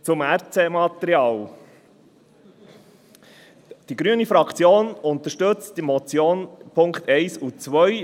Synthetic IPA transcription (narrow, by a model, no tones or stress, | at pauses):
t͡sʊmæɾt͡semɑt̪əɾiɑːl | d̥iɡɾyənifɾɑkʰt͡sjoːnʊnt̪əʃtɵt͡std̥imɔt͡sjoːnpʰʊŋkt̪ɛɪsut͡sʋœj